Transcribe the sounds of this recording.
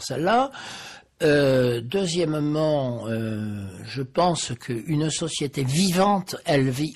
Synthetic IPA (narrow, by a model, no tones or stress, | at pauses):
səla | ød̪øzjɛmmɑ̃ø | ʒəpɑ̃skʰəʔynsɔsjet̪evivɑ̃t̪ɛlvi